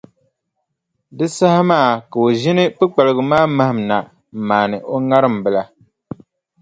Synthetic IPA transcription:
dɨ˦sa˦hɪ˦maː˦˨ka˨o˨ʒɪ˦nɨ˦pɨ˦k͡pa˨lɨ˨ɡʊ˨maː˦ma˦hɪ˨m˨na˨ | m̩˨maː˨nɨ˨ʔo˦ŋa˦ɾɨ˦˨m˨bɨ˨la˦

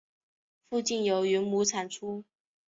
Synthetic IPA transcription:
fu˥˧t͡ɕi˥˩njo˧˥ʊy˧˥nmu˧˥t͡sʰa˨˩nʈ͡ʂʰu˥

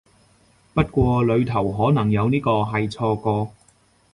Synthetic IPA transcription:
pɐ˥t̚kʷɔː˧lɵ˨˧ɥt̪ʰɐ˨˩wɦɔː˨˥nɐ˨˩ŋjɐ˨˧wniː˥kɔː˧ɦɐ˨jt͡sʰɔː˧kɔː˧

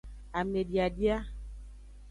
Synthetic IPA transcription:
a˨me˨dja˨di˦a˦

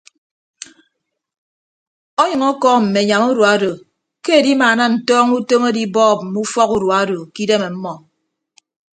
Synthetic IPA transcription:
ɔ˦ɲʌ˨ŋɔ˦kɔː˦m̩˨me˨ɲa˨mu˦ɾwu˨a˨˦do˨ | ke˦e˨di˦maː˨na˦n̩˨tɔː˦ŋu˦to˦me˦di˦bɔː˦˨p̚m̩˨mu˦fɔ˦ku˦ɾu˨a˦do˨ki˦de˦me˨m̩˦mɔ˨

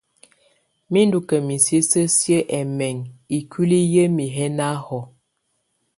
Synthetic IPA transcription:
mi˦ndu˨kə˨mi˨sə˦sə˦sjə˦ʔɛ˨mɛ˨ŋi˨kʰi˦li˦jə˦mi˨ɦɛ˦na˦hɔ˨

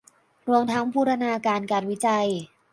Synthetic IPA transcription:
ɾu˧əmt̪ʰa˦˥ŋpʰuː˥˩ɾa˧naː˧kaː˧nkaː˧˩t̚wi˦˥t͡ɕa˧j

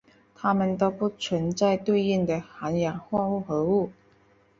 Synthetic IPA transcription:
t̪ʰa˥mə˨nt̪o˥ʊpu˥˩t͡sʰwə˧˥nt͡sa˥˧ɪt̪we˥˧ɪi˥˩ŋd̪ə˩xa˧˥nja˨˩˥ŋxwa˥˧u˥˩xɤ˧˥u˥˩

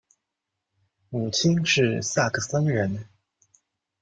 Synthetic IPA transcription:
mu˨˩t͡ɕʰi˥nʂɻ̩˥˧sa˥˩kʰə˨˩sə˥nɻə˧˥n

